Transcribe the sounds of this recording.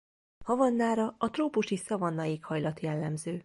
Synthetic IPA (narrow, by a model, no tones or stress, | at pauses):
hɒvɒnːaːɾɒɒt̪roːpuʃisɒvɒnːɒjikhɒjlɒt̪jɛlːɛmzøː